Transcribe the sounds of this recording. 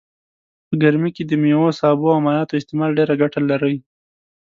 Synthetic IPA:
pəɡaɾmiked̪əmewosɑboamɑljɑt̪oɪst̪ɪmɑlɖeɾaɡaʈalaɾəj

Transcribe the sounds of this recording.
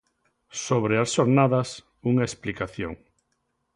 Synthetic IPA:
soβɾeasʃoɾnaðɐs | uŋaesplikaθjo̰ŋ

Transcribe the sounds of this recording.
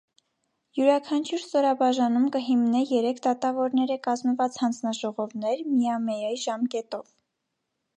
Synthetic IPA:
juɾɑkʰɑnt͡ʃʰuɾst̪ɔɾɑbɑʒɑnumkəɦimnɛjɛɾɛkʰd̪ɑt̪ɑvɔɾnɛɾəkɑzməvɑt͡shɑnd͡znɑʒɔʁɔvnɛɾmijɑmɛjɑjʒɑmkɛt̪ɔv

